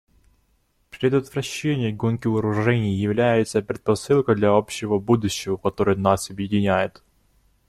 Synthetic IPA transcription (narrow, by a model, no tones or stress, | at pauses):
pɾʲɪd̪ət̪vɾɐɕːenʲɪjɡonkʲɪʊɾʊʐɛnʲɪjjɪvlʲæjɪt̪səpɾʲɪt̪̚pɐsɨlˠkəd̪lʲɐopɕɪvəbud̪ʊɕːɪvɐkɐt̪o̞ɾɨjnasɐbjɪdʲɪnʲæjɪt̪